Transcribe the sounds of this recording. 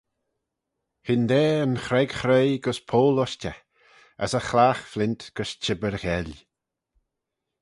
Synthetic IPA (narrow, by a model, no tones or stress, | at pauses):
hɪnd̪ɛːənxɾɛɡxɾejɡəspʰoːlɔʃtə | ə̰səxlaːxflɪnt̪ɡ̥əʃt͡ʃʰɪbəɾɣɛlʲ